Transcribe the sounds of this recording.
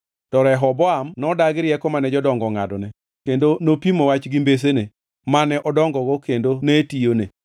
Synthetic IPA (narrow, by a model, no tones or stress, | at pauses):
tɔɾɛɦɔbɔamnɔdaɡɪɾjɛkɔmanɛd͡ʒɔdɔŋɡɔŋa̰dɔnɛ | kendonopimowat͡ʃɡimbes̬ene | manɛʔɔdɔŋɡɔɡokendonetijone